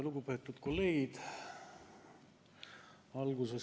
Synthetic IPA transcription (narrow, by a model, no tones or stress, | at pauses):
luɡ̥upe̞ːt̪ːˑud̪̥ko̞lːe̞ːɡid̪̥ | ɑlɡuse